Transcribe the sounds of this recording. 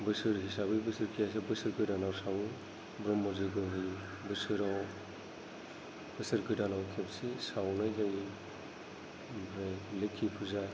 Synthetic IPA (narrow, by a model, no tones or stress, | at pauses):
bɯsɯɾɦisabɯjbɯsɯɾkʰijas̬ebɯsɯɾɡɯdanawsaw | bɾɔmːɔzɯɡɯɦɯj | bɯsɯɾaw | bɯsɯɾɡɯdanawkʰepsisawnajɡaji | bajlekʰːipʰuza